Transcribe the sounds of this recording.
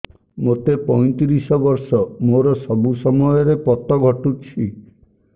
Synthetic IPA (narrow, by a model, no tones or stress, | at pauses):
mot̪epɔj̃t̪iɾisɔbɔɾsɔmoɾɔsɔbusɔmɔjɔɾepɔt̪ɔɡʱɔʈut͡ʃʰi